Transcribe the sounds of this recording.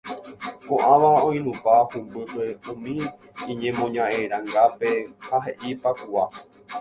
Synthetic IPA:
kõʔãʋaõj̃nũpahumbɨpeũmĩ | ĩɲẽ̞mõɲãʔeɾ̃ãŋɡape̞haɦe̞ʔipakuwa

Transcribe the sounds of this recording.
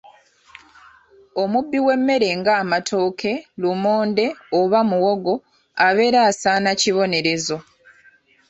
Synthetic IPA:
o̞mubːiwe̞mːe̞ɾe̞ŋɡaːmatʰo̞ːkʰe̞lumo̞ːnde̞oβamuwoɡo̞ | aβe̞ːɾaːsaːnaciβo̞ne̞ɾe̞zo̞

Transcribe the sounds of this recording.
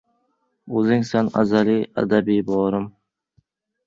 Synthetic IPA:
ɵzɪŋsɛna̰zaliæ̰d̪æbibɒːɾɨm

